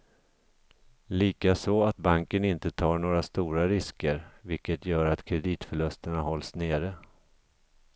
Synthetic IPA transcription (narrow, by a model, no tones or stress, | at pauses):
liːkasɔat̪̚baŋkənɪnt̪ət̪ʰɑːɳoːɾast̪uːɾaɾɪskəɾvɪlkət̪ʰjœːɾat̪kʰɾɛd̪iːt̪fœɭɵst̪əɳahɔlsneːɾə